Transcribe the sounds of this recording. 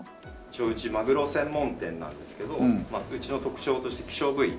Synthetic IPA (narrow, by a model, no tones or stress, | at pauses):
t͡ɕo̞ːɯ̟t͡ɕimaɡɯ̟ɾo̞sẽ̞mːõ̞nt̪ẽ̞nːã̰nd̪e̞sɨ̥ke̞d̪o̞maɯ̟t͡ɕino̞t̪o̞kɯ̟̥t͡ɕo̞ːt̪o̞ɕi̥t̪e̞kʲi̥ɕo̞ːɡɯ̟i